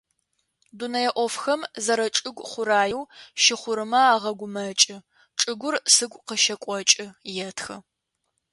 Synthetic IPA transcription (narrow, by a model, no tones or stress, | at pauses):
dunɐjɛʔʷɔfxɐmzɐɾɐʈ͡ʂʼɨɡʷχʷʊɾaːjɪwʃɪχʷʊɾɨmɐaːʁɐɡʷʊmɐt͡ʃʼɪ | ʈ͡ʂʼɨɡʷʊrsɨɡʷʼqəʃɐkʷʼɔt͡ʃʼɪjɛtʰxɨ